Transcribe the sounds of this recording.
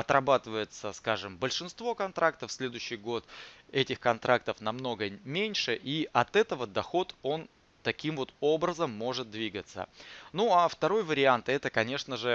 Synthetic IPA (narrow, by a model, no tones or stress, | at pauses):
ɐt̪ɾɐbat̪ɨvəjɪt̪səskaʐɨmbəlʲʂɨnst̪vo̞kɐnt̪ɾʔakt̪əfsʲlʲe̞d̪ʊjɕːɪjɡo̞t̪ɛtʲɪxkɐnt̪ɾʔak̚t̪əfnɐmno̞ɡəmʲenʲʂɨʔiʔɐt̪ɛt̪əvəd̪ɐxo̞t̪o̞n | t̪ɐkʲimvo̞t̪o̞bɾəzəmːo̞ʐɨt̪̚d̪vʲiɡət̪sə̰nuaft̪ɐɾo̞jvəɾʲɪant̪ɛt̪əkɐnʲe̞ʂnəʐɨ